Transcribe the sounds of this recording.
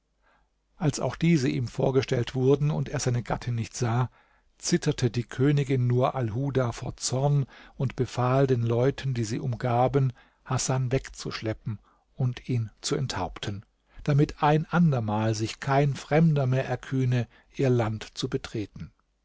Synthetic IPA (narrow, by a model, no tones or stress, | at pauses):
ʔalsa̰ʊxd̥iːzəʔiːmfoːɐɡəʃtɛltv̥ʊɐdn̩ʊnteːɐz̥aɪnəɡa̰tʰɪnːɪçtz̥aː | t͡sɪtʰɐtʰədiːkʰøːnɪɡɪnːuːɐʔalɦuːdaːfoːɐt͡sɔɐnʔʊntb̥əfaːldeːnlɔʏtʰəndiːziːʔʊmɡaːbən | hasanvɛkt͡sṵʃlɛpm̩ | ʊntʰiːnt͡suɛntha̰ʊptʰən | d̥amɪtʰʔaɪnʔandɐmaːlzɪçkʰaɪnfʁ̥ɛmdɐmeːɐʔɛɐkʰyːnə | ʔiːɐlantt͡subətʁ̥eːtn̩